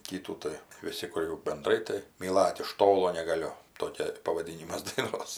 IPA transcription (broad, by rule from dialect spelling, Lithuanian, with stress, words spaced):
ˈkʲiːtuː tɐɪ ʋʲɪˈsʲɪ kʊr jɛʊ bʲɛnˈdrɐɪ tɐɪ mʲiːˈlˠɐt ɪʃ ˈtoːlˠoː nʲɛɡɐˈlʲʊ ˈtoːkʲɛ pɐʋɐˈdʲiːnʲɪmɐs dɐɪˈnoːs